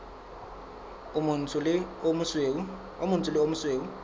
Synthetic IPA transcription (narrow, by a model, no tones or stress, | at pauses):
lɪomse | omuntʰʼʊlɪomusweːu